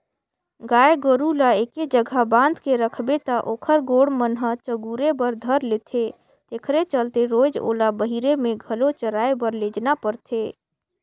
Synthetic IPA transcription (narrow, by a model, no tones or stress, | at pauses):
ɡaeɡəɾulaeked͡ʒəɡʱabãnd̪ʱkeɾəkʰbet̪aʔoːkʰəɾɡoɽmənɦət͡ʃəɡuɾebəɾd̪ʱəɾlet̪ʰe | t̪ekʰɾet͡ʃəlt̪eɾod͡ʒo̰ːlabəɦiɾemẽɡʱəlot͡ʃəɾaebəɾled͡ʒnapəɾt̪ʰe